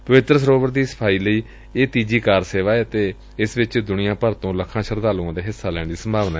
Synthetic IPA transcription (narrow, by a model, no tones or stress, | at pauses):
pəʋɪt̪ɾəsəɾoːbəɾd̪iːsə̥pʰaːiːləiː | eːt̪iːd͡ʒiːkaːɾseːʋaːɛət̪eː | ɪsʋɪt͡ʃd̪ʊnɪjãːpəɾt̪õːləkʰãːʃəɾd̪aːlũːãːd̪eːɦɪsːaːlɛːɳd̪iːsəmbʱaːʋnaː